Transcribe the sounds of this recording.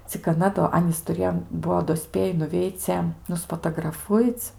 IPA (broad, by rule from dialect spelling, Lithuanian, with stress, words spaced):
t͡sʲɪk ɐˈnɐ doː ˈɑːnʲiːs tʊˈrʲeːjoː ˈbuɔ doː ˈsʲpʲeːjɪ nʊˈʋʲɛɪt͡sʲɛ nʊspɐtɐɡrɐˈfʊɪt͡s